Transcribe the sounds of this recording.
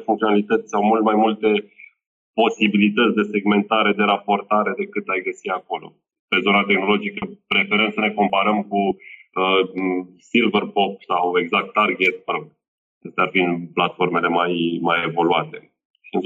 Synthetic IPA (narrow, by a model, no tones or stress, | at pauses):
fuŋkt̪ioalit̪ət̪sʲsawmult̪majmult̪e̞ | po̞sibilit̪ət̪sʲd̪e̞se̞ɡme̞nt̪aɾe̞d̪e̞ɾapo̞rt̪aɾe̞d̪e̞kɨt̪ajɡəsiako̞lo̞̰ | pe̞zo̞nat̪e̞xno̞lo̞d͡ʒikəpɾe̞feɾəmsəne̞ko̞mpaɾəmkuə | silvərpop̚sawe̞ɡzak̚t̪ːarɡʲet̪̚pəɾoɡ̪̚ | est̪earfinplat̪fo̞rme̞le̞majmajevo̞luat̪e̞ | ʃiɨn